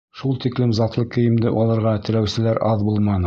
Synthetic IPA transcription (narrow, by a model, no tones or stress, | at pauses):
ʃulˠt̪iklɘmzɑt̪lˠɤkɘ̆jɘ̆md̪ɘʔɒlˠɑɾʁɑt̪ɘ̆læwsɘ̆læɾʔɑðbulˠmɑnɤ